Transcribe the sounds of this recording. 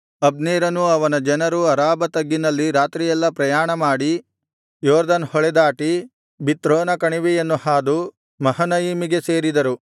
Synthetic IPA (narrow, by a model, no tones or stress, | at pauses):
ɐbniːɾɐnuɐʋɐnɐd͡ʒɐnɐɾuɐɾaːbɐt̪ɐɡːinɐlːiɾaːt̪ɾijɛlːɐpɾɐjaːɳɐmaːɽi | jɔːɾd̪ɐnhɔɭɛd̪aːʈi | bit̪ɾoːnɐkɐɳiʋijenːuhaːd̪u | mɐhɐnɐjimiɡe̞se̞ːɾid̪ɐɾu